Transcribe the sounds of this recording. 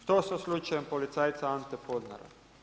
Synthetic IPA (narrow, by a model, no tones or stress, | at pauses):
t̪ososlut͡ʃajempolit̪saːjt̪saant̪ɛpoːd̪na̰ɾa̰